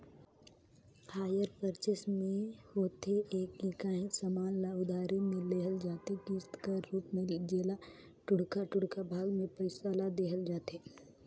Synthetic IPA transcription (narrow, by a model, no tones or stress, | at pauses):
haːjəɾpəɾt͡ʃesmẽhoːt̪eeːkːikaːɦĩsamaːnlaʊd̪ʱaːɾimẽleːɦəld͡ʒaːt̪ekɪst̪kəːuːpmẽd͡ʒeːla | ʈʊɽkaʈʊɽkabʱaːɡmẽpəɪsaːlad̪eːɦəld͡ʒaːt̪eː